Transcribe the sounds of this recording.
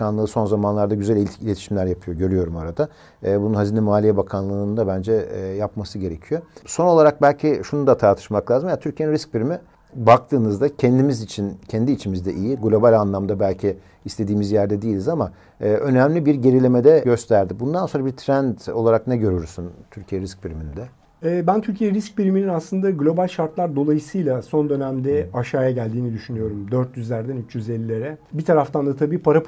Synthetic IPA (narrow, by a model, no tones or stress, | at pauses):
kanlˠɯːso̞nzamanlˠaɾd̪aɟyzælʲiilʲet̪ʰi̥ʃimlʲæɾjapʰɯjo̞ɟø̞ɾyjo̞ɾumaɾad̪aː | bununhazinɛmuaːlʲijɛbakʰanlˠɯːnd̪abænd͡ʒɛːjapmasɯɟe̞ɾe̞cʰijo̞so̞no̞lˠaɾak̚bælʲcʰiʃunud̪at̪ʰaɾt̪ʰɯ̥ʃmaklˠaːzɯmajat̪ʰyɾcʰjeninɾisc̚biɾimɛ | bak̚t̪ʰɯːnɯzd̪acʰɛnd̪imizit͡ʃʰincʰɛnd̪iːt͡ʃʰimizd̪ɛʔijiɡlʲo̞balʲanlˠamd̪abælʲcʰiː | st̪ʰe̞d̪iːmizjæɾd̪ɛd̪iːlʲizamaː | ʔø̞næmlʲibiɾɟe̞ɾilʲemed̪ɛɟø̞st̪ʰæɾd̪ibund̪anso̞nɾabiɾt̪ʰɾænd̪o̞lˠaɾaknɛɟø̞ɾyɾsynt̪ʰyɾcʰijɛɾisc̚biɾimind̪ɛ | ɛːbænt̪ʰyɾcʰijeɾisc̚biɾmininaslˠɯnd̪aɡlʲo̞balʲʃaɾt̪lˠaɾd̪o̞lˠajɯsɯjlˠaso̞nd̪ø̞næmd̪ɛaʃaːjaɟælʲd̪iːnid̪yʃynyjo̞ɾumd̪øɾt̪jyzlʲæɾd̪ænyt͡ʃjyze̞lʲːilʲe̞ɾɛbit̪ʰaɾaft̪ʰand̪at̪ʰabiːpʰaɾa